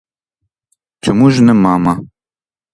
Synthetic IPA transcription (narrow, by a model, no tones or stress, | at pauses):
t͡ʃʰɨmuʒnɨmaːma